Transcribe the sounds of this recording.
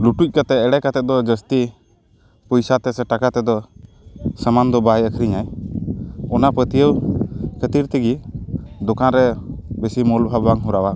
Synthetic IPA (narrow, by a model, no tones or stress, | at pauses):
luʈuc̚kat̪ɛɛɽɛkat̪ɛt̪̚d̪ɔd͡ʒəst̪i | pɔjsat̪ɛsɛʈakat̪ɛd̪ɔ | səmand̪ɔbajəkʰɾiɲaj | ɔnapət̪ijəwkʰət̪iɾt̪ɛɡid̪ɔkanɾɛbɛsimɔlbʱabaŋɦuɾawa